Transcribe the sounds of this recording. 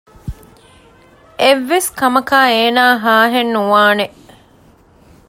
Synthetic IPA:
eʋːeskɐmɐkaːeːnaːɦaːɦenːuʋaːne

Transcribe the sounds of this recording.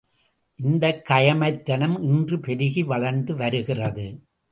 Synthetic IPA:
ʔɪnd̪ɐkːɐjɐmɐɪt̪ːɐnɐmɪndrɯpɛɾɯɣiʋɐɭɐɾnd̪ɯʋɐɾɯɣɪrɐðɯ

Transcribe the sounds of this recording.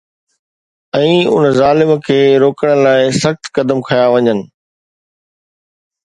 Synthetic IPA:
ɛ̃ːʊ̰nzaːlɪmkʰeːɾoːkəɽ̃laːɪsɐxt̪kɐd̪əmkʰɐjaʋɐɲənɪ̆

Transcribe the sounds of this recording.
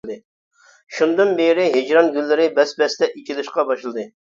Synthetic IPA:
d̪ɨ | ʃund̪ɨnbeɾɪɦed͡ʒɾɑnɡʲylːɪɾɪbɛsbɛst̪ɛʔit͡ʃʲilɪʃqɑbɑʃlˠɨd̪ɨ

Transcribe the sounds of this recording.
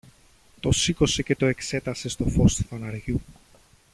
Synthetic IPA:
t̪o̞siko̞se̞ce̞t̪o̞e̞kse̞t̪ɐse̞st̪o̞fo̞st̪u̥θɐnɐɾʝu

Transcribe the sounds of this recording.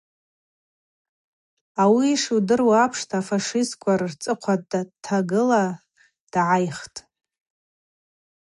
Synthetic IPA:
awiʂudɨrwaapʰʂtʰafaʂɪskʷʰʼarrt͡sʼɨqʷʰadatʰaɡɨla | d̥ʕajχtʼ

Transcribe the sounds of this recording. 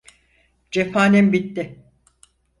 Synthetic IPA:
d͡ʒefaːnimbit̪ːɪ

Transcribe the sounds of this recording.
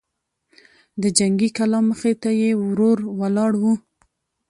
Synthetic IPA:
d̪əd͡ʒaŋɡikalɑməxet̪ajewɾoɾwalɑɽwu

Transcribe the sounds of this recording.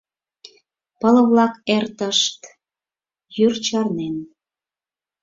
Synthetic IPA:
pələ̆βlɑkert̪əʃt̪ | jyrt͡ɕɑrnen

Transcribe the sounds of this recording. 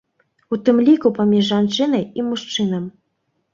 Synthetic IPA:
ut̪ɨmlʲikupɐmʲiʐːɑnt͡ʂɨnɐjimuʂt͡ʂɨnəm

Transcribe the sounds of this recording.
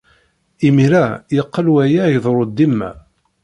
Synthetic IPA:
imiɾæjəqːəlwæjajəðˤɾˤod̪ːimːæ̰

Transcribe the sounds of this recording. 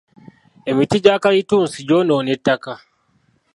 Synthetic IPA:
e̞mitiɟaːkajituːnsiɟoːnoːnetːaka

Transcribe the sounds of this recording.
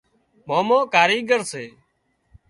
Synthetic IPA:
moːmõːkaːɾiːɡəɾseː

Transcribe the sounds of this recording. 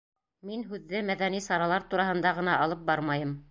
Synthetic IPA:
minɦʉðːɘmæðænisɑɾɑlˠɑɾt̪uɾɑɦɤ̆nd̪ɑʁɤ̆nɑʔɑlˠɤp̚bɑɾmɑjɤm

